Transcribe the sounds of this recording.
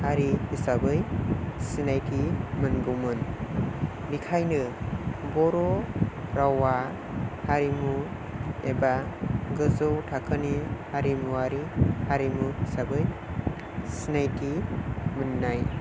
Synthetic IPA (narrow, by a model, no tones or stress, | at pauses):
haɾihisabɯjsinajtʰimɯnɡɯwmɯn | bikʰajnɯbɔɾoɾawa | haɾimu | ebaɡɯzɯwtʰakʰɯnihaɾimuaɾihaɾimuhisabɯj | sinajtʰimɯnːaj